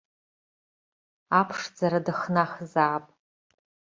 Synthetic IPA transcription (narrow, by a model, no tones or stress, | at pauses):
apʰʂd͡zaɾadɨχnaχzaːpʼ